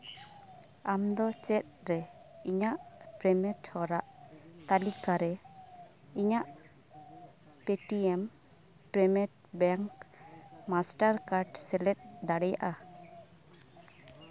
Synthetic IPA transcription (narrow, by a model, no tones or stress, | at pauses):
amd̪ɔt͡ʃɛt̪̚ɾɛ | iɲaʔpɾɛmɛʈhɔɾaʔt̪alikaɾɛ | iɲaʔ | pɛʈiɛm | pɾɛmɛt̚ | bɛŋkmasʈaɾkaɾɖsɛlɛt̪̚d̪aɽɛja̰ʔa